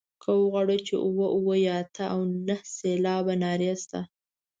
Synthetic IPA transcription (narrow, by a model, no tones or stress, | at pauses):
kʰawɣwaɽot͡ʃḛʔuwəʔuwəjɑt̪ʰaʔawnahselɑbanɑɾjast̪a